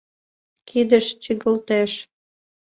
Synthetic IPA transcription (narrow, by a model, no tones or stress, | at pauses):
kʰid̪əʃt͡ɕiɣəlt̪eʃ